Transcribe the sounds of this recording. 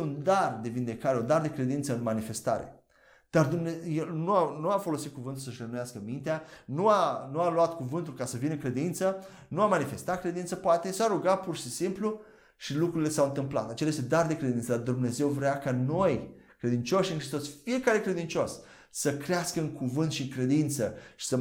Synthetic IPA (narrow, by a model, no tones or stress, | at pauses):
und̪ard̪e̞vind̪e̞kaɾeund̪ard̪e̞kɾe̞d̪int̪səɨnmanife̞st̪a̰ɾḛ | d̪̥ard̪umnejelnuanuafo̞lo̞sit̪̚kuvɨnt̪ulsəʃrenumjaskəmint̪eanuanualuat̪kuvɨnt̪ulkasəvinɨŋkɾe̞d̪int̪sə | nuamanife̞st̪at̪̚kɾe̞d̪int̪səpoat̪e̞saɾuɡapurʃisimplu | ʃilukɾuɾile̞sawɨnt̪ɨmpla̰t̪at͡ʃelajest̪ed̪ard̪e̞kɾed̪insəd̪ard̪umne̞ze̞wvɾeakano̞j | kɾe̞d̪int͡ʃo̞ʃiɨnŋkɾist̪osfie̞kaɾe̞kɾe̞d̪int͡ʃo̞s | səkɾeaskəɨŋkuvɨnt̪ʃiɨŋkɾe̞d̪int̪səʃi̥sə